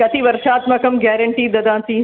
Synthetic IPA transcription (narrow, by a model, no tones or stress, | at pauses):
kɐt̪ʰiʋɐɾʃaːt̪mãːkɐmɡɛːɾə̃ɳʈiːd̪ɐd̪ãːt̪ĩː